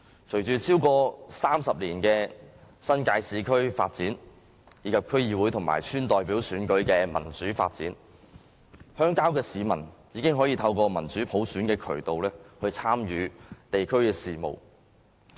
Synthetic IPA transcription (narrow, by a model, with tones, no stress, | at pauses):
t͡ʃʰɵ˨˩jt͡ʃyː˨t͡sʰiː˥wkɔː˧saː˥msɐ˨p̚liː˨˩nkɛː˧sɐ˥nkaː˧jsiː˨kʰɵ˥ɥfa̰ː˧t̚t͡siː˨˥n | jiː˨˥kʰɐ˨p̚kʰɵ˥ɥjiː˧wu˨˥jt̪ʰʊ˨˩ŋma̰ː˨˩jt͡ʃʰyː˥nt̪ɔː˨jpiː˨˥wsyː˨˥nkɵ˨˥ɥkɛː˧mɐ̰˨˩nt͡syː˨˥fa̰ː˧t̚t͡sḭː˨˥n | hœː˥ŋkaː˥wkɛː˧siː˨˧mɐ̰˨˩njiː˨˧kɪ˥ŋɦɔː˨˥jiː˧t̪ʰɐ˧wkɔː˧mɐ˨˩nt͡syː˨˥pʰo˨˥wsyː˨˥nkɛː˧kʰɵ˨˩ɥt̪o˨wlɛː˥hɵ˧ɥt͡sʰaː˥mjyː˨˧t̪e˨jkʰɵ˥ɥkɛː˧siː˨mo̰˨˩w